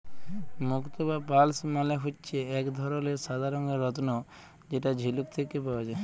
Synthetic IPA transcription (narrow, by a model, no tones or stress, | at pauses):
mʊkt̪ɔbapaːlsmaleɦut͡ʃt͡ʃʰeɛkd̪ʱɔɾɔlesad̪ʱaɾɔŋɡɔɾɔt̪nɔ | d͡ʒeʈad͡ʒʱilukt̪ʰekːipaʋɛd͡ʒe